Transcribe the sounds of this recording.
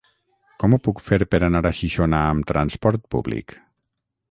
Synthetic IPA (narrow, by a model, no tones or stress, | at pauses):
kɔmupukfeɾpeɾanaɾaʃiʃonaːmt̪ɾanspɔɾt̪̚puβlḭk